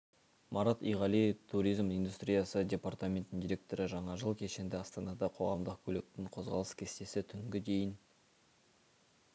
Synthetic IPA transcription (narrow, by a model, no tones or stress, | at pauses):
mʔɑɾat̪ḭjʁɑlijt̪ʰuɾijzmijnd̪ust̪ɾijɑsədʲe̞part̪amʲe̞nt̪ːɪnd̪ijɾʲe̞k̚t̪o̞ɾəʒɑɴɑʒəlˠkʲʰe̞ʃe̞nd̪ɪɑst̪ɑnɑd̪ɑqʰo̞ʁɑmd̪əq̚kʲʰɵle̞k̚t̪ɪŋqʰo̞zʁɑlˠəskʲʰest̪e̞sɪt̪ʰʏŋɡʲɪd̪e̞jɪn